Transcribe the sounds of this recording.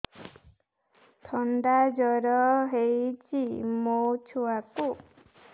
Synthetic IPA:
t̪ʰɔnɖad͡ʒɔɾɔɦejt͡ʃimot͡ʃʰuwaku

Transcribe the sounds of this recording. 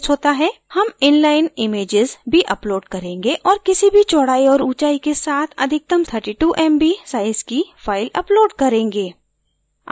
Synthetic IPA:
t͡ʃɦoːt̪aɦɛːhɐmɪnlaːɪnɪmeːd͡ʒɪzbʱiʔɐploːɖkɐɾẽːŋɡeʔɔːɾkɪsibʱit͡ʃɔːɽaːiɔːɾuːt͡ʃaːikesaːt̪ʰɐ̰d̪ʱɪk̚t̪əmt̪ʰəɾʈiːʈuːʔɛːmbisaːɪzkifaːɪlɐploːɖkɐɾẽːŋɡeː

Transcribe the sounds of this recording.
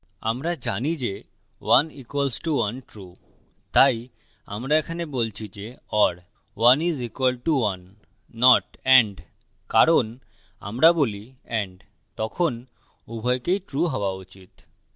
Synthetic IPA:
a̰mɾad͡ʑanid͡ʑe | wanikwalsʈuwanʈɾu | t̪aj | a̰mɾaekʰanebolt͡ɕʰid͡ʑeɔɽ | wanizikwalʈuwanː | ɔʈɛɳɖ | kaɾon | a̰mɾaboliɛɳɖ | t̪ɔkʰon | ubʱɔjkejʈɾuɦɔwaut͡ɕit̪

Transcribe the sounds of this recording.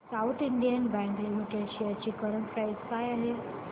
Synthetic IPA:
sawt̪ʰiɳɖijənbæ̃ŋɡlimiʈeɽɕiat͡ɕiːkəɾənkaisajale

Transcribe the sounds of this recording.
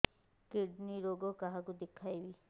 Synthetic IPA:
keɖniɾoɡokaɦakud̪ekʰːajbi

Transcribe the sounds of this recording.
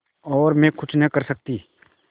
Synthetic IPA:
ɔːɾmẽkʰʊt͡ʃʰnə̃kɐɾsɐk̚t̪iː

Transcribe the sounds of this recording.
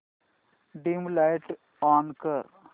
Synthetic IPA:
ɖimlajʈ | ɔːnkɐɾ

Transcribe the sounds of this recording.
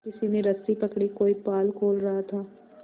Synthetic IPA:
kɪsimẽɾɐst̪ipɐkɽikoːipaːlkʰoːlɾɐɦat̪ʰaː

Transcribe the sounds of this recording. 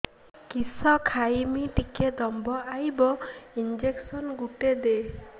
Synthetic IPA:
kisɔkʰajmiʈiked̪ɔmbɔajbɔind͡ʒeksɔnɡuʈed̪e

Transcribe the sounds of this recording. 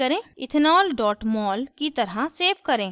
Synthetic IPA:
ɐɾẽːɪt̪ʰnaːlɖɔːʈmɔːlkit̪ɐɾaseːbkɐɾẽː

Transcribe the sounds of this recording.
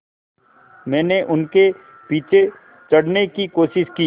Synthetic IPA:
mɛ̃ːneʔʊnke | piːt͡ʃʰe | t͡ʃɐɽnekikoːʃɪʃkiː

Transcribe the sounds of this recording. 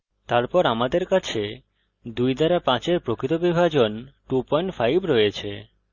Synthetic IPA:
t̪aɾpɔɾamad̪eɾkat͡ɕʰe | d̪ujd̪aɾapãt͡ɕeɾpɾokit̪obibʱad͡ʑonʈupɔjɳʈfajbɾɔjet͡ɕʰe

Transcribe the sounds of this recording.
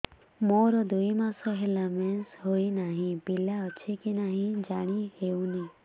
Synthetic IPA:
moɾɔd̪uimãsɔɦelamẽnsɦoinaɦĩpiljaət͡ʃʰekinaɦĩd͡ʒaɽ̃iheũni

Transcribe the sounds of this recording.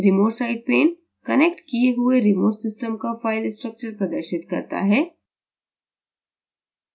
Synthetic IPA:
ɾɪmoːsaːɪɖ̚peːn | kɐnek̚ʈkieɦʊeɾɪmoːsɪsʈəmkafaːɪlɪsʈɾək̚t͡ʃəɾpɾɐd̪əɾʃɪt̪kɐ̰ɾt̪a̰ɦɛː

